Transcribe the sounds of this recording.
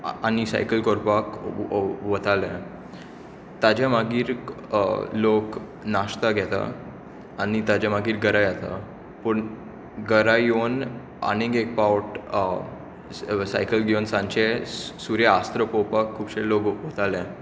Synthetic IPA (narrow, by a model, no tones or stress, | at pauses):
añisa̰jkəlkɔɾpak | ʋət̪alɛ̃ | t̪ad͡ʑamaɡiːɾ | lok | naɕt̪aɡʱjɛt̪a̰ | añit̪ad͡ʑamaɡiːɾɡəɾajat̪a̰ | pəɳ | ɡəɾajon | a̰ñiɡek̚pawʈ | sa̰jkəlɡonsãɲt͡ɕesuɾjaast̪ɾəpɔpakʰːuːbɕelokʋət̪ʰalɛ̃